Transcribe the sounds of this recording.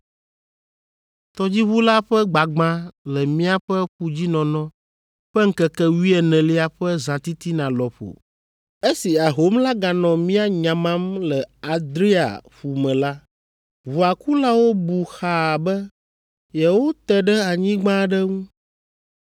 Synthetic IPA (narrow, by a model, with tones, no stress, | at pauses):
t̪ɔ˦d͡ʑi˦βu˦la˦ɸɛ˦ɡ͡ba˨ɡ͡bã˦lɛ˨mĩ˦a˦ɸɛ˦ɸu˦d͡ʑi˦nɔ̃˨nɔ̃˦ | ɸɛ˦ŋ̩˦kɛ˨kɛ˦wi˦ɛ˨nɛ̃˨li˦a˨ɸɛ˦zã˨t̪i˦t̪i˦nã˨lɔ˨ɸo̰˨ | e˦si˨a˨ɦo˨˦mla˦ɡa˨nɔ̃˨mĩ˦a˦ɲã˨mã˦mlɛ˨a˨d̪ɾi˦a̰˨ɸu˨mɛ̃˨la˦ | βu˨a˨ku˦la˦wo˦bu˨xa˨bɛ˦ | jɛ˨wo˦t̪ɛ˨ɖɛ˦a˨ɲĩ˦ɡ͡bã˦ɖɛ˦ŋũ˦